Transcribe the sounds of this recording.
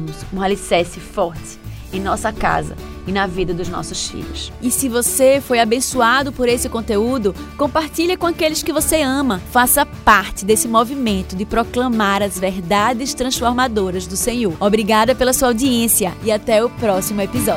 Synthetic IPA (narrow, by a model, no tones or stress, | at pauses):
mʊzũɐlisɛsɪfɔɾt̪ɪ̥ | ẽj̃nɔsɐka̰zɐ̰ | ɪnɐvid̪ɐd̪ʊznɔ̰sʊsfḭʎʊsɪsɪvosefojabẽsuad̪ʊpoɾesɪkõnt̪eud̪ʊkõpaɾt̪iʎɐkõakelɪskɪvoseɐ̃mɐfasɐpaɾt̪ɪd̪esɪmovimẽnt̪ʊd̪ɪpɾoklɐ̃maɾɐzvɛɾd̪ad͡ʒɪʃt̪ɾɐ̃sfoɾmad̪oɾɐzd̪ʊsẽɲoɾobɾiɡad̪ɐpelɐsuawd̪iẽsiɐɪat̪ɛʊpɾɔsimʊepizɔ